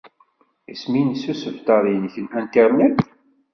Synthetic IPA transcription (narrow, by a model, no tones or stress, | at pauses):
isminsusəvt̪ɑðˤinçənænt̪iɾˤnæd̪